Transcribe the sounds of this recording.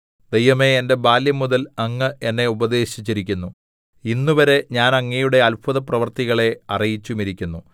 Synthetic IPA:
d̪ejʋɐme̞ːnde̞baːljɐmuðɐlɐŋːɨʔe̞nːe̞ubɐd̪e̞ːɕit͡ɕːiɾik̬ʲːunːu | inːuʋɐɾe̞ɲaːnɐŋːejuɽe̞ɐlpʰuðɐprɐʋɐrt̪iɣɐɭe̞ɐrijit͡ɕːumiɾikʲːunːu

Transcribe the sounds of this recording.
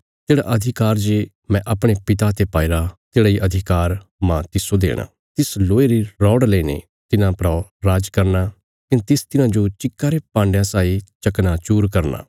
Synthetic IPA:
t̪eːɽa̰ʔɐd̪ʱɪkaːɾd͡ʒe | mɛ̃ːʔɐpɽ̃epɪt̪at̪epaːiɾat̪eːɽaːiʔɐd̪ʱɪkaːɾmãt̪ɪsod̪ḛːɽ̃a̰ː | t̪ɪsloːeɾiɾɔːɽlenḛ | t̪ɪnãpɾɔːɾaːd͡ʒkɐɾnaː | kɪnt̪ɪst̪ɪnãːd͡ʒot͡ʃɪkːaːɾepãːɳɖjãsaːit͡ʃɐknat͡ʃuːɾkɐɾna̰ː

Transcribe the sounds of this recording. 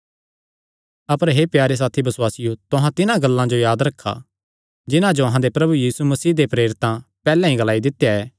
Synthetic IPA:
ɐpəɾɦepjaːɾes̬aːt̪ʰibɐswaːsɪjot̪ʊɦãt̪ɪnãɡɐlːãd͡ʒojaːd̪ɾɐkʰːa̰ | d͡ʒɪnãd͡ʒoɐɦãd̪epɾɐbujiːsumɐsiːd̪epɾeːɾɪt̪ãpɛːlɛ̃ɦĩɡɐlaːid̪ɪt̪ːejaɛː

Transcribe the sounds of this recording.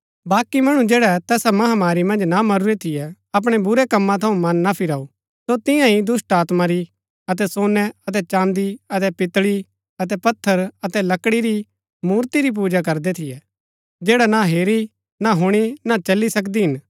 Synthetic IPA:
baːkimɐɽ̃ũd͡ʒɛːɽɛt̪ɛːsamɐɦamaːɾimɐ̃nd͡ʒnamɐɾuɾet̪ʰɪjɛ | ɐp̬ɽ̃ɛbʊɾɛkɐmːãt̪ʰɐũmɐnːapʰɪɾaːu | sot̪ɪ̃jãɦid̪ʊsʈaːt̪maɾi | ɐt̪̬ɛsoːnɛɐt̪̬ɛt͡ʃãːnd̪iɐt̪̬ɛpɪt̪ɽi | ɐt̪̬ɛpɐt̪ʰːəɾɐt̪ɛlɐkɽiɾi | muːɾt̪iɾip̬uːd͡ʒakɐɾd̪ɛt̪ʰɪjɛ | d͡ʒɛːɽɛnaɦeːɾi | naɦʊɽ̃inat͡ʃɐlːisɐk̬d̪iɦɪn

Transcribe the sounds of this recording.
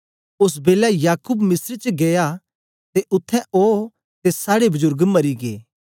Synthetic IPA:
ʊs̬beːlajaːkuːbmɪsəɾt͡ʃɡeja | t̪eʔʊt̪ʰːɛ̃oː | t̪esaːɽebɐzʊɾɡmɐɾiɡḛː

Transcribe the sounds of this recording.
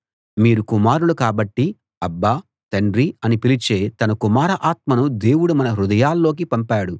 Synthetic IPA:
miːɾukumaːɾulukaːbɐʈːi | ɐbːa | t̪ɐɳɖɾiɐnipilit͡ʃeːt̪ɐnɐkumaːɾɐʔaːt̪̚mɐnud̪e̞ːwuɽumɐnɐɾud̪ɐjaːlːo̞ːk̬ipɐmpaːɽu

